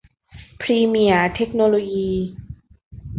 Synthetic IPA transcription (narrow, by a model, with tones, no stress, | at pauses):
pʰɾiː˧mi˨˩ɐt̪ʰe˦˥k̚noː˧loː˧jiː˧